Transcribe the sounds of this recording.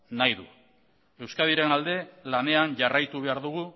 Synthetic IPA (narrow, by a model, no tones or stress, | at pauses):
najðṵ | e̞wskaðiɾe̞nald̪e̞lane̞anʝarajt̪uβ̞e̞aɾðuɣ̞u